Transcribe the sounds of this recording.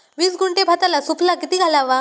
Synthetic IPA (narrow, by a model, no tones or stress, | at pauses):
ʋiːsɡuɳʈebʱat̪alasupʰlakit̪iːɡʱalaʋa